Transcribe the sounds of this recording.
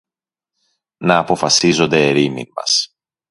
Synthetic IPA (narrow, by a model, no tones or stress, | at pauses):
nɐːpo̞fɐsizo̞nd̪eːɾimḭmɐ̰s